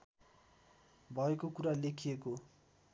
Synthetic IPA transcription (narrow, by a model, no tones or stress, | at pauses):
bʱʌekokuɾalekʰijeko